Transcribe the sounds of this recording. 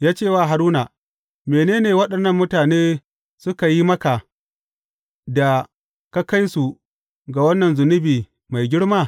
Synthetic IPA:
jaː˦t͡ʃeː˦˨waː˦˨ɦa˨ɾuː˦na˨ | meː˨neː˦neː˨wɐ˦ɗɐ˨nːɐ˦˨mːʊ˦taː˨neː˦ | sʊ˦ka˨ji˦mɐ˦ka˨ | da˨ | ka˦ka˦jsu˨ | ɡa˨wɐ˦nːɐ˨nzʊ˨nʊ˦biː˨ | ma˨jɡʲɪ˦ɽmaː˦˨

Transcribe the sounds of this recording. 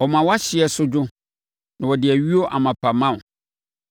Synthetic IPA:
ɔ˨mã˨wɔ˦a˦ɕɪ˨ɛ˨sʊ˦d͡ʑʊ˦ | nã˨wɔ˨dɪ˨æ˨ɥi˦o˦ʔa̰˨mã˨pʰa˨mã˦˨

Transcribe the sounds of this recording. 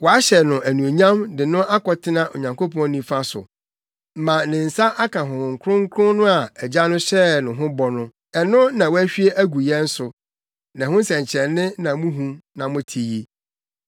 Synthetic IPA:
wɔ˨a˦ɕɛ˨nʊ̃˨ʔæ˨nũ˨o˨ɲã˦mdɪ˨nʊ̃˦ʔa˦kɔ˨tʰɪ˦nã˦ʔo̰˨ɲã˨ŋko˦pɔ̃˦nĩ˦fa˦sʊ̰˨ | m̩˦mã˨nɪ̃˨n̩˨sa˦ʔa˦kã˨ɦʊ̃˨ʊ̃˨ŋ˨kʰɾʊ̃˦ŋ̩˦kʰɾʊ̃˦nʊ̃˦a˨ɛ˨d͡ʑa˦nʊ̃˦ɕɛ˦nʊ̃˨ɦʊ̃˦bɔ˨nʊ̃˦ | ɛ˨nʊ̃˦nã˨wɔ˦æ˦ɕᶣɥe˦ʔæ˦ɡu˨jɛ˦n̩˦sʊ˨ | nã˨hʊ̃˦sɛ̃˨ɲ˨t͡ɕʰɛ˨nɪ̃˦nã˨mũ˦ɦũ˦nã˨mʊ̃˦tʰi˨ji˦

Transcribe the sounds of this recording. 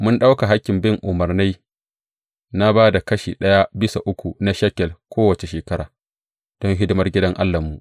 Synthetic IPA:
mʊ˦nɗa˦wka˨ɦa˦kʲːɪ˨mbɪ˦ŋʔʊ˨mɐ˨rna˦j | na˦baː˦da˨kɐ˦ʃḭː˨ɗɐ˦ja˦bɪ˦sa˨ʔʊ˦kʷu˨na˦ʃɐ˦kʲɛ˨lkʷoː˦wɐ˨t͡ʃe˨ʃeː˨kɐ˦ɾa̰ː˨ | d̥ɔ˦ŋɦɪ˦dɪ˦mɐ˦rɡʲɪ˦dɐ˦ŋʔa˦lːa˨mːu˨ʔ

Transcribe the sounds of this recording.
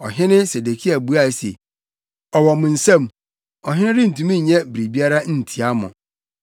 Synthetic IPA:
ɔ˨ɦɪ̃˦nɪ̃˦se˨de˨kʰi˦a˨bu˦a˦˨sḛ˨ | ɔ˨wɔ˨mʊ̃˨n̩˨sã˦˨m | ɔ˨ɦɪ̃˦nɪ̃˦ɾɪ˦n̩˨tũ˨mĩ˦˨ɲɛ̃˦bɾi˨bi˦a˦ɾa˦n̩˦˨tʰi˨a˦mʊ̰̃˨

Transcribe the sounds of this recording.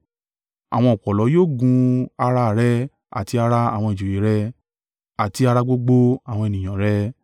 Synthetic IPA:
a̰˨w̃ɔ̃˧ɔ˨k͡pɔ˨lɔ˨˦joː˦˨ɡũ˧a˧ɾa˧˦˨ɾɛ˦ | a̰˨ti˧a˧ɾa˧a̰˨w̃ɔ̃˧i˨d͡ʒu˨ji˨˦ɾɛ˧ | a˨ti˧a˧ɾa˧ɡ͡bo˧˦ɡ͡bo˧a˨w̃ɔ̃˧e˨nĩ˨j̃ã˨ɾɛ˦

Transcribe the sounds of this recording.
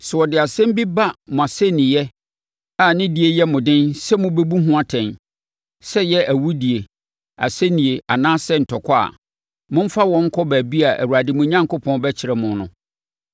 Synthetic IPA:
sɛ˨wɔ˨dɪ˨a˨sɛ̃˦m˦bi˦ba˦mʊ̃˨a˨sɛ˦nɪ̃˨jɛ˦ | a˨nɪ̃˦di˨˦e˦jɛ˦mʊ̃˨dɪ̃˦nsɛ˦mʊ̃˦be˦bu˦ɦũ˦a˦tʰɛ̃˨n | sɛ˦jɛ˦ʔæ˨wu˦di˨e˨ | a̰˨sɛ˦nĩ˨e˨ʔa˨nãː˦sɛ˦n̩˨tʰɔ˨kʰɔ˦a̰˨ | mʊ̃˦m̩˦fa˦wɔ̃˦ŋ̩˦kʰɔ˦bæː˨bi˦a˨ʔæ̰˨wu˨a˨dɪ˨mʊ̃˦ɲã˦ŋkʰo˦pʰɔ̃˦nbɛ˦t͡ɕʰɪ˨ɾɛ˨mʊ̃˨nʊ̃˨

